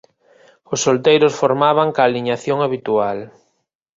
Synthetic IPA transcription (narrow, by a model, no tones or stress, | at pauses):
ʊsːolt̪ejɾʊsfoɾmaβaŋkaːliɲaθjoŋaβit̪ual